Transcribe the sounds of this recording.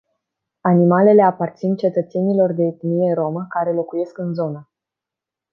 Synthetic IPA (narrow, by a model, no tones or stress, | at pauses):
animale̞le̞apart̪sint͡ʃe̞t̪ət̪se̞nilo̞rd̪e̞ːt̪mije̞ɾo̞məkaɾe̞lo̞kuje̞skɨnzo̞nə